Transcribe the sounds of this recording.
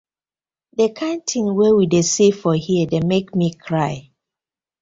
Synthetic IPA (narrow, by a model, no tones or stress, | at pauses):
dəkʰãɪ̃ntʰĩŋwɛwidesefɔhiədemekmikʰɹaɪ